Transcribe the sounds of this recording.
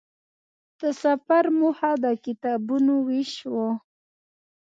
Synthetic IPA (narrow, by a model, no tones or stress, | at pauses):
d̪̥əsafaɾmuhad̪əkɪt̪ɑbunowiʃwo